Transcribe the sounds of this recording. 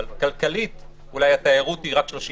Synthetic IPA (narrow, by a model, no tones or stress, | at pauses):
lkalkalit̪ | ulajat̪aeʁut̪iʁakʃloʃi